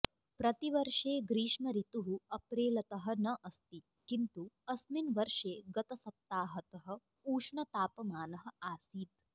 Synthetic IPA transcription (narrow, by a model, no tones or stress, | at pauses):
pɾɐt̪iʋɐɾʂeːɡɾiːʃmɐɾit̪uɦuɐpɾeːlɐt̪ɐɦɐ̆nɐʔɐst̪i | kint̪uɐsminʋɐɾʂeːɡɐt̪ɐsɐp̚t̪aːɦɐt̪ɐɦɐ̆ | uːʂɳɐt̪aːpɐmaːnɐɦɐ̆aːsiːt̪